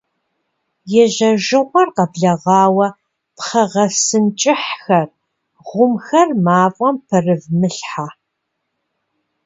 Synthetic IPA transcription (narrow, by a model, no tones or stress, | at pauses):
jɛʑɐʒɨʁʷɔrqɐbɮɐʁɑːwɐ | pχɐʁɐsɨnt͡ʃʼɪħxɐr | ʁʷʊmxɐrmaːfʼɔmpʰɐrɨvmɨɬħaː